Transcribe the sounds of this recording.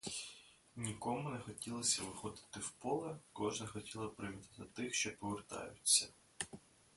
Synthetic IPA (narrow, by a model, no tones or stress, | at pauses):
nʲikɔmʊnɛxɔtʲilˠɐsʲɐʋɪxɔd̪ɪ̥t̪ɪwpɔlˠɐkɔʒnɐxɔtʲilˠɐpɾɪʋʲit̪ɪt̪ɪt̪ɪxʃt͡ʃɔpɔʋert̪ɑ̰jʊt͡sʲːɐ